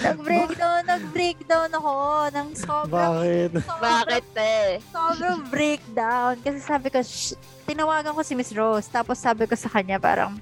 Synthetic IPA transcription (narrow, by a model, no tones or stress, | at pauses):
nɐɡbɾek̚d̪onːɐɡ̚bɾejk̚d̪ownɐkoʔonɐŋsoːbbaːkɪt̪sbaaːkɪt̪̚ɛsoːbɾɐŋbɾejk̚d̪awnkɐsɛsaːbɪko | t̪ɪnɐwaːɡɐŋko̞sɪmɪsɹowst̪aːposːaːbɪko̞sɐkɐɲapa̰ːɾɐ̰ŋ